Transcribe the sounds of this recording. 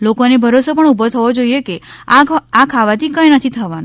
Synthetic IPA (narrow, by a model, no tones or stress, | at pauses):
lokonebʱəɾosəpəɳubɔt̪ʰəʋod͡ʒoiekeaakʰaʋat̪ʰikəjnət̪ʰit̪ʰəʋanu